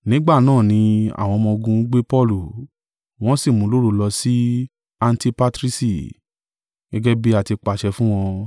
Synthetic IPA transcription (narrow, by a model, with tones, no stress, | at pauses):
nĩ˨˦ɡ͡ba˦˨nãː˦˨nĩ˧a̰˨w̃ɔ̃˧mɔ̃˧ɡũ˧˦ɡ͡be˦pɔ˦lu˨ | w̃ɔ̃˦si˦˨mũ˨˦lo˦ɾo˧lɔ˧si˦ | a˧n̩˦ti˧pa˦tɾi˦si˨ | ɡ̥ɛ˦ɡɛ˦bi˦a˦˨ti˧k͡pa˨ʃɛ˧fũ˦w̃ɔ̃˧